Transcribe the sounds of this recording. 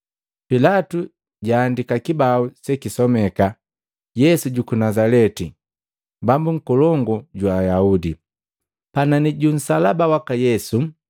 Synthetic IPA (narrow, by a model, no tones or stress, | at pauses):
pilatu | ɟaːndikakibausɛkisɔmɛka | jɛsuɟukunazalɛti | bambuŋ̩kɔlɔŋɡɔɟwaːjaudḭ | pananiɟun̩salabawakajɛsu